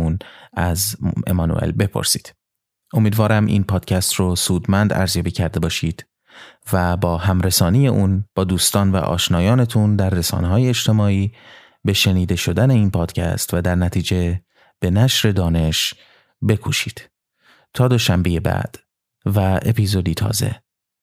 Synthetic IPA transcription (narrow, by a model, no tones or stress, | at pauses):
unæze̞̰mɒnṵʔḛlbe̞pʰo̞̰ɾsiːd̪̥ | ʔo̞miːd̪vɒːɾæmʔḭːnpʰɒːd̪̥cʰæst̪rosuːd̪mænd̪æ̰ɾzjɒːbiːcʰæɾd̪e̞bɒːʃiːd̪̥ | væbɒːhæmɾesɒːnije̞ʔuːnb̥ɒːd̪uːst̪ɒːnvæ̰ʔɒ̰ːʃnɒːjɒːne̞t̪ʰund̪æɾːesɒ̰ːneɦɒːje̞et͡ʃt̪ʰe̞mɒːiː | be̞ʃe̞niːd̪e̞ʃo̞d̪æne̞iːnpʰɒːd̪̥cʰæ̰st̪væd̪æɾnæt̪ʰiːd͡ʒe̞ | b̥e̞næʃɾe̞d̪ɒːne̞ʃ | be̞kʰuʃiːd̪̥ | t̪ʰɒːd̪o̞ʃæmbeje̞bæ̰d̪̥ | væʔe̞̰pʰiːzod̪iːt̪ʰɒ̰ːze̞̰